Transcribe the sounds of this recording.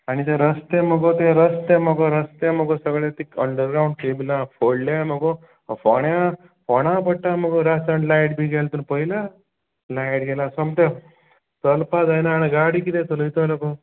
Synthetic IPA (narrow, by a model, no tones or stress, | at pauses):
aɽ̃it̪ẽɾəst̪emɔɡot̪ẽɾəst̪emɔɡoɾəst̪emɔɡosəɡɭat̪ikə̰ɳɖəɾɡɾaũɳɖʈebilãfoɽljamɔɡo | fɔɳja | pɔɽ̃ãpəʈːamɔɡoɾasaɳɖlajʈbʱiɡelt̪unpəɦila | lajʈɡɛlasɔmt̪e | t̪əlpad͡zajnaːneɡaɽikit̪ẽt̪olit̪oloko